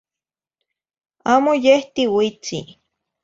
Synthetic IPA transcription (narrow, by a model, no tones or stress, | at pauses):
aːmojeht̪iwit͡sḭ